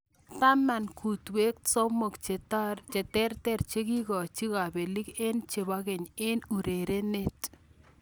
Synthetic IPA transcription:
ta˦ma˨nku˨twe˦k̚so˦mo˨kt͡ʃe˨ta˦rt͡ʃɛ˨tɛ˦rtɛ˦ɾt͡ʃe˦ki˦kɔ˨t͡ʃi˦ka˨be˨li˦ke˦nt͡ʃe˨ba˦ɡɛ˨ɲɪ˦nu˨ɾe˨ɾe˦ne˦t

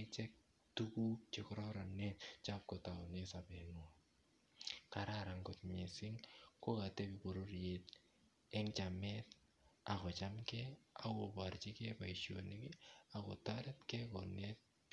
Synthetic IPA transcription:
ɪt͡ʃɛ˦k̚ | tuku˦k̚t͡ʃe˨kɾɔɾa˨nɛt̚t͡ʃa˦p̚kɔ˨ta˨nɛ˦sa˨pɛ˨nʊa | ka˨ɾaɾa˨ŋɡot̚ɲɪ˨sɪ˦ŋko˦ka˨tɛ˦bibo˨ɾo˦rjet | ɛ˦ŋt͡ʃamɛt | a˨kɔ˨t͡ʃa˦mkɛa˦wo˨ba˨rt͡ʃɪ˦kɛ˦pa˨iʃo˨nɪ˦kɪ˦a˨kɔ˨taɾɛ˦tkɛkɔ˨nɛt̚

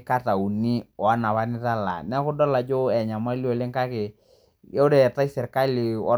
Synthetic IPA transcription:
ka˦ta˨u˨ni˦ɔ˨a˦na˨βa˦nɪ˦ta˦la̰˨nɛ˦kʊ˦dɔ˦la˨d͡ʒo˦ɛ˨ɲa˨ma˦li˦o˨le˦ŋka˦kɪ˨ | jɛ˦ʊ˦ɾe˨ta˦i˦sɛ˨ɾka˦li˨ɔ̰˦

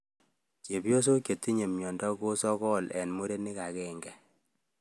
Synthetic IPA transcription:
ke˨bjo˦s̬o˦kje˨tːi˦ɲe˨mjɔ˨ndɔ˦ko˦sɔ˦kɔ˦lɛ̰˨nmo˦ɾe˦ni˦ka˨kɛ˦˨ŋɡɛ˨

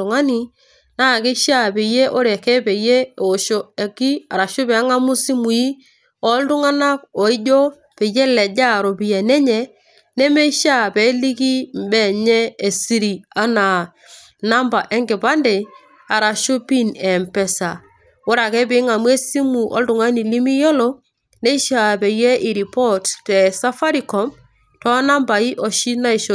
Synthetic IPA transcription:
ʊ˨ŋa˦ni˨ | na˦˨kɪ˦ʃa˦˨pe˨je˦ʔo˦ɾe˨kɛ˦pe˨je˦˨o˨ʃo˦˨e˨ki˦a˨ɾa˨ʃʊ˦pɛ˨˦ŋa˦mu˦si˦mu˨i˦ | ɔ˦ltʊ˦ŋa˦na˦b̚ɔ˨i˦d͡ʒɔ˦ | pe˨je˦lɛ˨d͡ʒa˦˨ɾo˨bi˨jɛ˨nɛ˦ɲɛ˨ | nɛ˦me˦ʃa˦˨pɛ˨˦li˦ki˦mbɛ˦˨ɲɛ˦e˨si˦ɾi˨a˦na˨ | na˦mba˨ʔɛ˦ŋɡɪ˨ba˦nde˨ | a˨ɾa˨ʃo˦pi˦nɛ˨mpɛ˦sa˨ | ʊ˦ɾa˨kɛ˦bɪ˨˦ŋa˨mwɛ˦si˦mu˨ʔɔ̰˦ldʊ˨ŋa˦ni˨li˦mi˦jɔ˦lɔ˦ | ne˦ʃa˨pe˨jɛ˦ʔi˨ɾi˨pɔ˦ttɛ˨sa˦fa˦ɾi˨kɔ˨m | tɔ˦na˦mba˨i˦ʔɔ˨ʃi˦na˦i˨ʃo˦

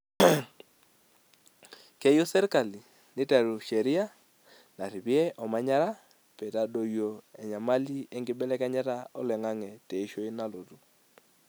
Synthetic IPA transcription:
ke˦jo˦sɛ˦ɾka˨li˨ | nɪ˦tɛ˨ɾu˨ʃɛ˨ɾi˦a˦ | na˨ɾi˨bi˦ɛ˦ʔɔ˨ma˨˦ɲa˦ɾa˦ | pɛ˨ta˨ɗo˦jo˨ɛ˨ɲa˨ma˦li˦e˦ŋɡɪ˦bɛ˦lɛ˦ka˦ɲɛ˦ɾa˦ɔ˦lɛ˨ŋa˦ŋɛ˨tɛ˨i˦ʃo˦i˦na˦lo˨tu˨

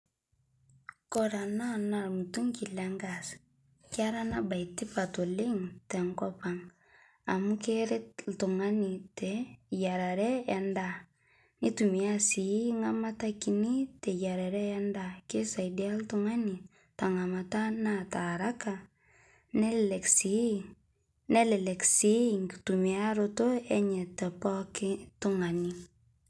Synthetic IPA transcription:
kɔ˦ɾa˨na˦na˨ɾmu˨tu˦ŋki˨la˦ŋɡa˨s | ka˦ɾa˦na˦ba˨i˨ti˦pa˨to˨le˦ŋtɛ˨ŋkɔ˦pa˨ŋ | a˨mu˦ke˦ɾe˦tltu˨ŋa˦ni˨te˨ja˨ɾa˨ɾɛ˦ja˦nda˦ | ni˦tu˨mi˨a˦si˨˦ŋa˦ma˦ta˦ki˨ni˦te˨ja˨ɾa˨ɾɛ˦ja˦nda˨ke˦sa˨idja˦ltuŋa˦ni˨ | ta˨ŋa˨ma˨ta˦nata˨ɾa˦ka˨ | nɛ˦ɛ˨ksi | nɛ˦lɛ˨lɛ˨ksi˦ŋki̥tumia˦ɾoto˦ɛ˦ɲɛ˨tɛ˨pɔ˦kɪ˦tu˦ŋa˨ni

